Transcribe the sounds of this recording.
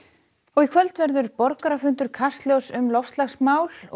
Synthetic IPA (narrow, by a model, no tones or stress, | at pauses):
ɔɣikʰvœlt̪vɛɾðʏɾpɔɾkaɾafʏnt̪ʏɾ̥kʰḁst̪ljowsʏmlɔwfst̪laxsmaːwl